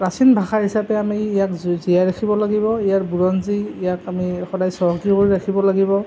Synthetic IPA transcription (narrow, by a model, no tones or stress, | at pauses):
ɹasinbʱaxaɹɦisapɛamiːjakzijajɹaxʰibɔlaɡibɔijaɹbuɹɔnziːjakamixɔdajsɔɦɔkikoɹiɹaxʰibɔlaɡibɔ